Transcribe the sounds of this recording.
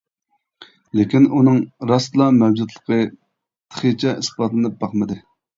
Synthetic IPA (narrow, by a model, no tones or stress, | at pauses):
lekʲinunɨŋɾɑslˠɑmɛwd͡ʒud̪lˠəqə | t̪ʰə̥χət͡ʃʰɛʔisbɑt̪lɨnɨp̚bɑχmɨd̪ɨ